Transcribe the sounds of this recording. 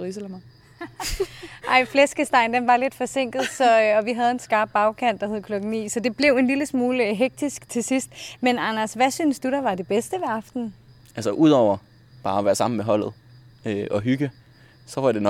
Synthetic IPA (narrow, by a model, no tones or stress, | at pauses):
islm | ʔɑ̈ɪ̰flesɡ̥əsd̥ɑ̈ɪnd̥enʋɑ̈le̝d̥fɒ̽se̝ŋ̰ɡ̥ð̩ˠsɒ̽ɒ̽ʋiɦæð̞̩ˠe̝nsɡ̥ɑ̈ːb̥̚ːɑ̈ʊkʰæn̰d̥ɑɦheð̞ˠəkʰlɒ̽ɡ̥ŋ̩nḭːsɒ̽d̥e̝b̥le̝ʊe̝nliləsmuːləɦeɡ̥̚d̥isɡ̥t͡sʰe̝sisd̥menɑnɐsʋæsyːnsd̥uɾ̥ɑʋɑ̈de̝b̥esd̥əʋeɑ̈fd̥n̩ | ʔælsəʔuð̞ˠɒʊ̰ɐ | b̥ɑ̈ːɒʋæːɐsɑ̈m̰n̩meɦɒ̽l̰ð̩ˠøɒ̽ɦyɡ̥ə | sɒ̽ʋɑ̈d̥e̝n